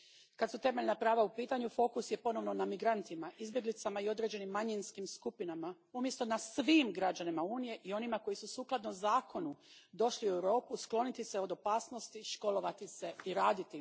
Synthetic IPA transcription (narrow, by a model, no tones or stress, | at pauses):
kad̪sut̪e̞me̞ʎnapɾaːʋaupiːt̪aɲufo̞ːkusje̞po̞no̞ʋno̞namiɡɾant̪imaʔizbje̞ɡlit̪samaio̞d̪ɾe̞d͡ʑe̞nimːaɲinskimskupinama | umje̞st̪o̞nasʋiːmɡɾad͡ʑanimauːnije̞ʔio̞nimako̞jisusuːklˠad̪nozaːko̞nud̪o̞ʃliuewɾo̞ːpusklˠo̞nit̪ise̞o̞d̪o̞paːsnost̪iʃko̞lˠo̞ʋat̪ise̞iɾaːd̪it̪i